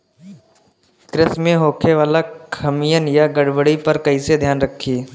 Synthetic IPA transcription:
kɾɪsmẽɦoːkʰeʋaːlakʰɐmijənjaɡəɽbəɽipɐɾkɐised̪ʱjaːnɾəkʰːiː

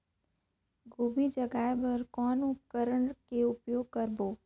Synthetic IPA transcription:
ɡoːbid͡ʒəɡaːjbəɾkɔːnʊp̚kəɾəɳkeʊpjoːɡ̚kəɾboː

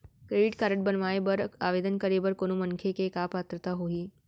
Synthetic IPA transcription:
kɾeɖiʈkaɾəʈ̚bənʋajebəɾa̰ʋed̪ənkəɾebəɾkoñumənkʰekekapat̪ɾət̪aɦoɦiː

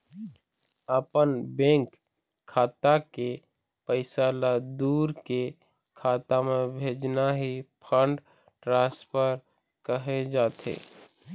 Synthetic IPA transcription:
əpənbẽːŋkʰː | aːt̪ake | pəɪsaːlad̪uːɾke | kʰaːt̪amẽbʱeːd͡ʒnaɦipʰəɳɖ | ʈɾãːspəɾ | kəɦed͡ʒaːt̪ḛː

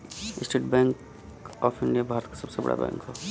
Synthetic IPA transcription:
ɪsʈeːʈbɛ̃ːŋk | ɔːpʰɪ̃ɳɖijabʱaːɾət̪̚kḁsɐbsebɐ̰ɽʔa̰bɛ̰̃ːŋkɦɛ

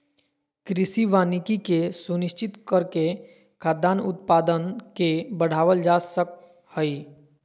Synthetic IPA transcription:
kɾɪsiʋaːnɪkikesunɪʃt͡ʃɪt̪kəɾke | kʰaːd̪aːnʊt̪paːd̪ənkebəɽ̤aːʋəld͡ʒaːsək̚ | həi

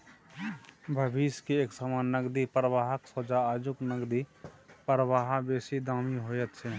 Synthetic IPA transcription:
bʱəbiːskieːksamaːnːəɡd̪ipɾəʋaːɦəksod͡ʒaaːd͡ʒʊknəɡd̪ipəɾʋaːɦabeːsid̪aːmiɦoːjət̪se

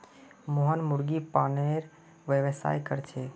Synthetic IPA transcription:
moɦənmuɾɡipaneɾ | ʋjəʋəsa̰ːjkəɾt͡ʃʰe

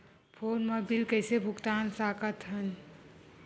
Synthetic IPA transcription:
pʰoːnməbilkəɪsebʱʊkt̪aːnsaːkət̪ɦən

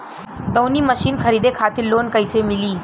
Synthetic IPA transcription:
d̪əwniːməɕiːnkʰəɾiːd̪ekʰat̪iɾloːnkəjsemiliː

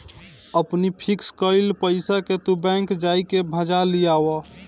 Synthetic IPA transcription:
əpnipʰikskəɪlpəjsaket̪ubɛ̃ŋkd͡ʒajkebʱəd͡ʒalijawɔ

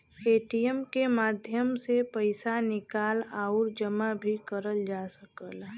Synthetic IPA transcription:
eːʈijəmkemaːd̪ʱjəmsepəɪsanɪkaːlaːʊɾd͡ʒəmabʱikəɾəld͡ʒaːsəkəl

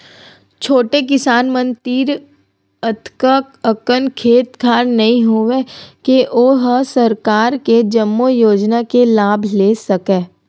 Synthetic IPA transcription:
t͡ʃʰoːʈek̬ɪsaːnmə̃nt̪iːɾ | ət̪ʰkəkəkənkʰeːt̪kʰaːɾnɐɦĩɦoʋekeʔoːɦsɐɾkaːɾked͡ʒɐmːojoːd͡ʒnakelaːbʱleːsɐkẽː

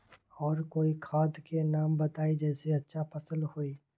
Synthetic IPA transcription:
ɔːɾkoːikʰaːd̪kenaːmbɐt̪aːid͡ʒɛːseɐtːʃʰapɐsəlhoːiː

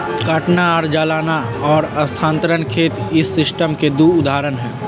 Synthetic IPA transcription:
kaʈnaaɾd͡ʒaːlaːna | ɔːɾɐst̪ʰãːnt̪ɾənkʰeːt̪ɪsːɪsʈəmked̪uʊd̪aːɾənɦɛ̃ː

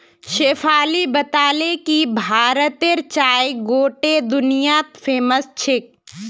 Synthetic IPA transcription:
ʃeːfʰaːlibət̪aːlekibʱaːɾət̪eɾt͡ʃaːjɡoːʈed̪ʊnijat̪pʰeːməst͡ʃʰɪk̚

